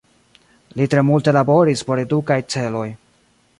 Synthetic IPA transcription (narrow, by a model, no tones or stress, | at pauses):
litɾe̞multe̞labo̞ɾispo̞ɾe̞dukajt͡se̞lo̞j